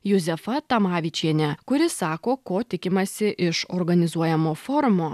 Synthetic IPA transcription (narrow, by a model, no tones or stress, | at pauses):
jʊzʲɛfɐt̪ɐmɑːʋʲit͡ʃʲiɛnʲɛkʊɾʲɪsɑːkoːkoːt̪ʲɪkʲɪmɐsʲɪʔɪʃoɾɡɐnʲɪzuɔjɛmoːfɔɾmoː